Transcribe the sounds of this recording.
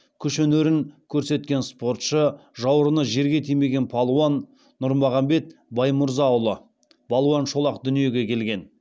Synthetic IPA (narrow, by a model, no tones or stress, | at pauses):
kʲʰʏʃeneɾɪŋkʲʰɵɾse̞t̪̚kʲe̞nspo̞rt̪ʃəʒɑwɾənəʒe̞ɾɡʲe̞t̪ʰijme̞ɡʲe̞npʰɑlˠuwɑnː | ʊɾmɑʁɑmbe̞t̪bɑjmʊɾzɑːwlˠə | bɑlˠwɑnʃo̞lˠɑqd̪ʏnije̞ɡʲe̞kʲʰe̞lɡʲe̞n